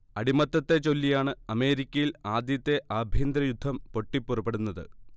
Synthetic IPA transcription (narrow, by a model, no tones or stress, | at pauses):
ɐɽimɐt̪ːɐt̪ːe̞t͡ɕo̞lːijaːɳɨɐme̞ːɾikʲːɐjilaːd̪jɐt̪ːe̞ʔaːbʱjind̪ɾɐjud̪ʱːɐmpo̞ʈːipːurɐpːe̞ɽunːɐðɨ̰